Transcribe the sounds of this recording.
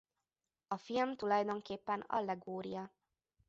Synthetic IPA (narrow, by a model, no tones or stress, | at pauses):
ɒfilmt̪ulɒjd̪o̞ŋkeːpːɛnɒ̰lːɛɡoːɾḭjɒ